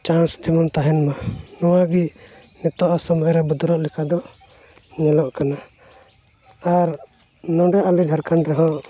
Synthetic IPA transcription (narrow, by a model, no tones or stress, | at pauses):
t͡ʃansd̪imɔnt̪aɦɛnmanɔwabi | nɛt̪ɔʔasɔmɔɾɛbud̪ɔɾɔʔlɛkad̪ɔ | ɲɛlɔʔkana | aɾ | nɔ̃ɖɛjaʔalid͡ʒʱaɾkanɾɛɦɔ̃ʔ